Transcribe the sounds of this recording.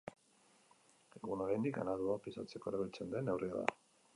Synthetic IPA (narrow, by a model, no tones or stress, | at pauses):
eɣunoɾajnd̪ika̰naðuapisat͡se̞ko̞eɾaɣit͡se̞nd̪e̞nːe̞wriaða̰